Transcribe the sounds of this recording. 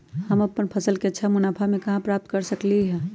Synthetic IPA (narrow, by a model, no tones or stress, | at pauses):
həmɐpːənpʰəsəlkeətːʃʰamʊnaːpʰamẽkɐɦãpɾaːp̚t̪̚kəɾsəkliɦɛː